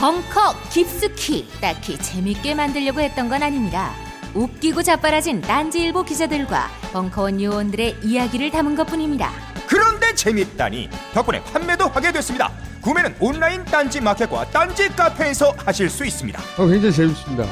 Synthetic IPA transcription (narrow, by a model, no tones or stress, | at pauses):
pʌŋkʰʌk͈ip̚s͈ɯkʰit͈akʰit͡ɕe̞mik͈e̞mandɯɭʎːʌɡohe̞t̚t͈ʌnɡʌnaɲimɲiɾa̰ | up̚k͈iɡot͡ɕap͈aɾad͡ʑint͈and͡ʑiːɭbokid͡ʑadɯɭɡwa̰pʌŋkʰʌwʌnjuwʌndɯɾe̞ijaɡiɾɯɭtamɯnɡʌt̚p͈uɲimɲida̰ | kɯɾʌnde̞t͡ɕe̞mit͈a̰ɲḭpjʌkp͈ʌnḛpʰanme̞dohaɡe̞dwe̞s͈ɯmɲida̰kume̞nɯnonːaint͈and͡ʑimakʰekwa̰t͈and͡ʑik͈apʰe̞ːsʰʌhaɕʰiɭs͈uis͈ɯmɲidaʌkweŋd͡ʑait͡ɕemis͈ɯmɲida̰